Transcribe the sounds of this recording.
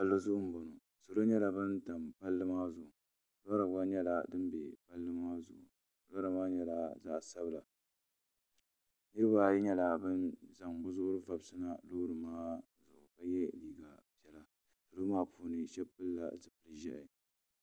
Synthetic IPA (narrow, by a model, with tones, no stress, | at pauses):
ba˦lːo˦zʊ˦ʔʊ˦m̩˦bo˨no˨ | so˨lo˦ɲɛ˦la˨bɨ˦nta˨mpa˦lːɨ˦maː˦zʊ˨ʔʊ˨ | la˦ɾa˨ɡa˦ɲɛ˦la˨dɨ˦n˦bḛ˨pa˦lːɨ˦maː˦zʊ̰˨ʔʊ̰˨ | la˦ɾa˨maː˦ɲɛ˨la˨za̰˦ʔsa˦bɨ˦la˨ | nɨ˦ɾɨ˦ba˦ɲɛ˦la˨bɨ˦nza˨ŋbʊ˦zʊ˦ʔʊ˦ɾɨ˦va˨bsɨ˦na˦loː˦ɾɨ˨maː˦ | zʊ˨ʔʊ˨ka˦jɛ˦liː˨ɡa˨pi˨ɛ˨la˦ | so˨lo˦maː˦puː˦nɨ˨ʃɛ˦pːɨ˦lːa̰˨zɨ˨pɨ˨lɨ˨ʒɛ˦ʔɪ˨